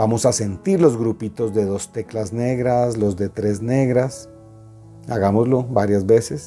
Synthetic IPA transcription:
bamo̞sase̞nt̪iɾlo̞zɣɾupit̪o̞zðe̞ðo̞st̪e̞klazne̞ɣɾaslo̞zðe̞t̪ɾe̞zne̞ɣɾas | aɣamo̞zlo̞baɾjazbe̞ses

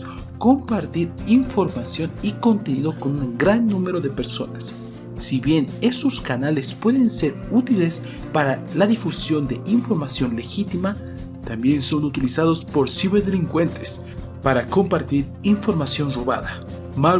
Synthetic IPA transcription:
ko̞mpaɾt̪iɾiɱfo̞ɾmasjo̞niko̞nt̪e̞niðo̞ko̞nunɡɾanːũme̞ɾo̞ðe̞pe̞ɾso̞̰nasː | iβje̞ne̞so̞skanale̞spwe̞ðe̞nse̞ɾut̪ile̞s | paɾalaðifusjo̞nd̪e̞ʔiɱfo̞ɾmasjo̞nle̞xit̪ima | t̪ambje̞nso̞nut̪ilisaðo̞spo̞ɾsiβeðe̞liŋkwe̞nt̪ʰe̞s | paɾako̞mpaɾt̪iɾ | iɱfo̞ɾmasjo̞nro̞βa̰ða | ma

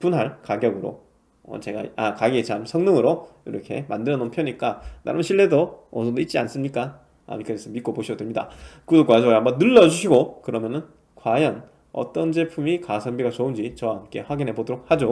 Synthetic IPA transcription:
punɦaɭkaɡjʌɡɯɾo̰ | ʌ̰t͡ɕe̞ɡa̰akaɡiet͡ɕamsʰʌŋnɯŋɯɾoiɾʌkʰe̞̰mandɯɾʌnonpʰjʌɲik͈ana̰ɾɯmɕʰiɭːe̞doosʰʌdoit̚t͡ɕ͈ians͈ɯmɲik͈a | a̰mik͈ʰais͈ʰɯmːit̚k͈opoɕʰidodwemɲida̰kɯdok͈wad͡ʑʌɦambʌnːɯɭːʌd͡ʑuɕʰiɡokɯɾʌmjʌnɯn | kwajʌn | ʌ̰t͈ʌnd͡ʑe̞pʰumikasʰʌmbiɡat͡ɕound͡ʑit͡ɕʌwaɦamk͈e̞ɸwaɡinɦe̞bodoɾok̚had͡ʑo

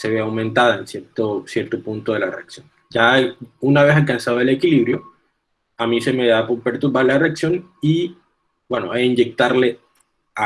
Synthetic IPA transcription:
seβeawmẽnt̪aðaensjeɾt̪osje̞ɾt̪opunt̪oðe̞lareaksjo̞n | d͡ʒaunaβesalkansaðaele̞kiliβɾjo̞ | amĩse̞meðapopeɾt̪uɾβaɾlareaksjo̞ni | bweno̞eind͡ʒe̞k̚t̪aɾle | a

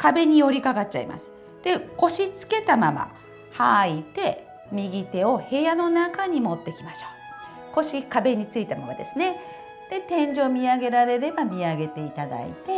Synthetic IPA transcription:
kabe̞ɲ̟ijo̞ɾʲikaɡat̚t͡ɕːa̰ḭmʔa̰sɨ̥ | d̪̥e̞ko̞ɕit͡sɨ̥ke̞t̪amama̰ | hait̪e̞ | mʲiɡʲit̪e̞o̞he̞jano̞nakaɲ̟imo̞t̪ːe̞kʲimaɕo̥ː | ko̞ɕikabe̞ɲ̟it͡sɨit̪ama̰ma̰d̪esɨne̞ | d̪̥e̞t̪ẽ̞ɲ̟d͡ʑo̞ːmʲiaɡe̞ɾaɾe̞ɾe̞bamʲiaɡe̞t̪e̞it̪ad̪a̰ḭt̪e̞

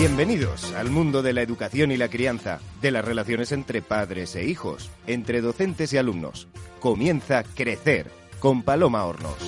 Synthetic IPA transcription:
bje̞mbe̞niðo̞̰sa̰lmũnd̪o̞ðe̞laeðukaθjo̞nilakɾianθa̰ðe̞lasre̞laθjo̞ne̞se̞nt̪ɾe̞paðɾe̞se̞̰ixo̞̰se̞nt̪ɾe̞ðo̞θe̞nt̪e̞sialumno̞̰sko̞mjẽ̞nθakɾe̞θe̞ɾ | ko̞mpalo̞mao̰ɾno̰s

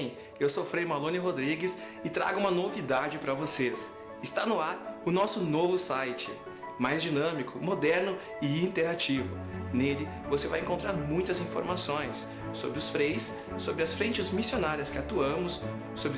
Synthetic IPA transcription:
ewsofɾejmalõnɪɦod̪ɾiɡɪs | ɪt̪ɾa̰ɡʊũmɐnovid̪ad͡ʒɪpɾɐvoses | ɪst̪anʊaɾʊnɔsʊnovʊsajt͡ʃɪ | majzd͡ʒinɐ̃mikʰʊmod̪ɛɾnʊ | ɪĩnt̪eɾat͡ʃivʊ | nelɪ | vosevajẽŋkõnt̪ɾaɾmũj̃t̪ɐzĩfoɾmasõj̃sː | o̰bɾɪʊsfɾejsː | obɾɪɐsfɾẽt͡ʃɪzmisionaɾiɐskɪat̪uɐ̃mʊsː | obɾ

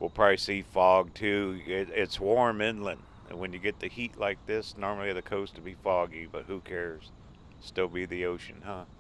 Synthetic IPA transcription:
wɪlˠpʰɹ̥aɪisifɔɡ̚tʰʉɪɪtswɔɹmɪ̃nlɨ̃nd̥ | ɨ̰̃nwɨ̃njɨɡɛt̪̚ðɨhiʔˡlaɪk̚ðɪsnɔɹml̩ˠiɨɨkʰoʊstʰəbifɔɡibʌt̚hʉkʰɛɹz̥ | stɪlˠbiðioʊʃɨ̰̃nhʌ

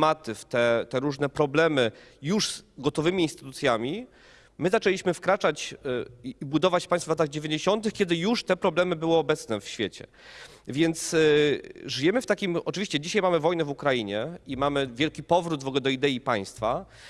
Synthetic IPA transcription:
mat̪ɘft̪ɛt̪ɛɾuʐnɛpɾɔblɛmɘ | juʐz̥ɡɔt̪ɔvɘmʲiiːnst̪ɘ̥t̪ut̪sʲjamʲi | mɘzat͡ʂɛlʲiɕmɘfkɾat͡ʂat͡ɕː | bud̪ɔvat͡ɕfpaɲ̃sfvlat̪aɣd͡ʑevʲjeɲd͡ʑeɕɔnt̪ɘxkʲɛd̪ɘjuʂt̪ɛpɾɔblɛmɘbɘwɘɔbɛt̪snɛfɕfʲjet͡ɕɛ̰ | vʲjɛnt̪s | ʐɘjɛmɘft̪akʲimɔt͡ʂɘvʲiɕt͡ɕɛd͡ʑiɕajmamɘvɔjnɛvukɾajiɲɛimamɘvʲjɛlkʲipɔvɾud̪vɔɡɛd̪ɔid̪ɛipaj̃st̪fa

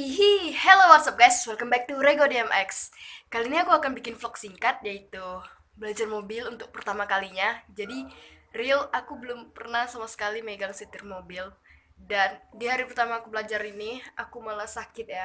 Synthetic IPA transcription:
iɦihelowasap̚ɡajswɛlkəmbak̚t̪uɾeɡodiɛmʔɛkskaliniakuakanbikɪnflɔksiŋkat̪̚jait̪u | bəlad͡ʒarmobɪlunt̪ʊk̚pərt̪amakaliɲad͡ʒadirilakubəlʊmpərnahsamasə̥kaliməeɡaŋsit̪ɪrmobɪl | dandiɦaɾipərt̪amaːkubəlad͡ʒaɾiniakumalasakɪt̪̚ja

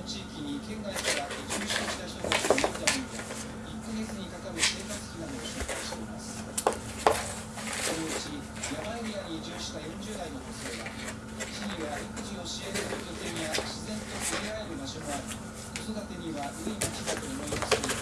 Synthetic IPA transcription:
t͡ɕiːkʲiɲ̟ikẽ̞ŋɡaikaɾat̪ːed͡ʑɨːɕiɕi̥t̪açi̥t̪ot̪at͡ɕiomod̪amɯid̪e | ikːaɡe̞t͡sɨɲ̟ikakaɾɯ̟se̞ːkat͡sɨ̥kʲinad̪o̞ːɕoːkaiɕi̥t̪e̞imasɨ̥ | so̞no̞ɯ̟t͡ɕi | jamaiɾʲiaɲid͡ʑɨːɕi̥kajõ̞ɲ̟d͡ʑɨːd̪aino̞ɦose̞ːβa | t͡ɕiɲʲɯaɾʲikɯ̟ʑĩoɕieɾɾɯd͡ʑo̞t̪e̞ɲiaɕizẽ̞nt̪o̞ʔɯɾʲiaeɾɯ̟maɕomoaɾʲi | ko̞so̞d̪at̪e̞ɲ̟iβaʔɯ̟imat͡ɕid̪at̪o̞ːmo̞imasɨ

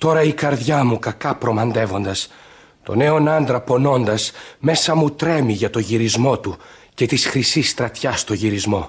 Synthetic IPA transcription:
t̪o̞ɾɐikɐɾðʝɐmukɐkɐpɾo̞mɐnd̪e̞vo̞nd̪ɐs | t̪o̞̰ne̞o̞nɐnd̪ɾɐpo̞no̞nd̪ɐsme̞sɐmut̪ɾe̞miʝɐt̪o̞ʝiɾizmo̞t̪u | ce̞t̪isxɾisist̪ɾɐt̪çɐst̪o̞ʝiɾizmo̞

